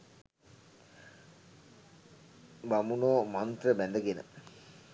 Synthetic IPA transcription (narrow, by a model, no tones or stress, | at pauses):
bamunoːmant̪rəbænd̪əɡenə̰